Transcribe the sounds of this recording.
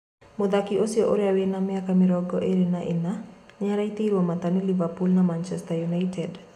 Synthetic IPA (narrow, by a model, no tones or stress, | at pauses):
mod̪akiosiɔʔoɾɛawenamɛakamiɾɔɡɔʔeɾenaʔɪnaɲaɾait̪iɾuɔmat̪anilivapulnamant͡ʃɛst̪ajunajtʰɛd